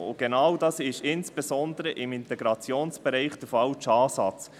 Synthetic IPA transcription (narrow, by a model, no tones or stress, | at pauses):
ʊ̰ɡ̥enɑwdɑsɪʃɪnsb̥esɔnd̪əɾəʔɪmɪnt̪ɛɡɾɑt͡sjoːnsb̥ɛɾɛɪχd̥əfɑwt͡ʃɑːsɑt͡s